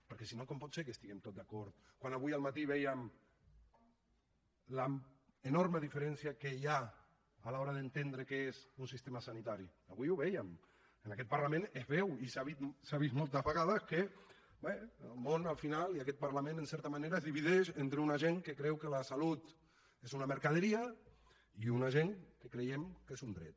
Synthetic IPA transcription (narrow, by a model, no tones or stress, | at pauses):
pəɾkɛsinokompɔt̪sek̬əst̪iɣɛmt̪ot̪̚d̪akɔɾt̪̚kwanaβujalˠmat̪iβɛjəm | la | ənɔɾməðifəɾɛnsiakeja | alaɔɾaðent̪end̪ɾəkeezunsist̪emasanit̪aɾiaβujuβɛjəm | ənakɛt̪̚paɾlamẽnezβɛwisaβit̪saβismɔlˠt̪azβaɣaðake | bɛelmonalˠfinaliakɛt̪̚paɾlamẽnənsɛɾt̪amaneɾazðiβiðɛʃent̪ɾeunaʒeŋkəkɾɛwkəlasalut̪ | ezunaməɾkaðəɾia | iunaʒeŋkəkɾejemkezund̪ɾɛ̰t̪̚